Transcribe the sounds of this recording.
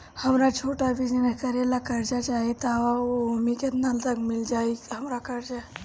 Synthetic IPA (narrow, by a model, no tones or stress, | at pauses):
həmɾat͡ʃʰoʈabʱid͡ʒənəkəɾelakəɾd͡ʒat͡ʃaɦit̪aaoumiket̪nalt̪əkmild͡ʒajɦəmɾakəɾd͡ʒa